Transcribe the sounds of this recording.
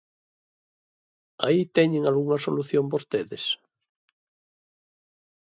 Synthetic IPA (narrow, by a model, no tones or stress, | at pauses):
a̰it̪ɛɲẽŋalɣuŋɐsoluθjombost̪eðes